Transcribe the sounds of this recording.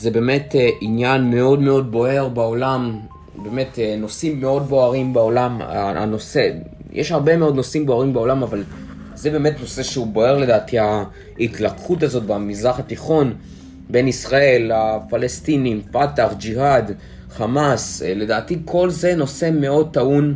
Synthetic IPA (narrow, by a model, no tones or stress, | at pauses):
zebe̞me̞teʔinjanme̞o̞dme̞o̞d̚bo̞he̞ʁbaolam | be̞ːme̞tno̞simːe̞o̞d̚bo̞aʁimbeo̞lamaa̰no̞se̞ | jʔeʃhaʁbe̞meo̞d̪no̞simbo̞aʁimbeo̞lamaval | ze̞beːmetno̞se̞ʃeubo̞eʁle̞daːtʰia | itlakχutazo̞t̚bamizʁaχat̪iχo̞n | be̞nisʁae̞lafalestinimpataχd͡ʒiɦad | χamasle̞daːtikʰo̞lze̞no̞se̞me̞o̞d̚t̪aun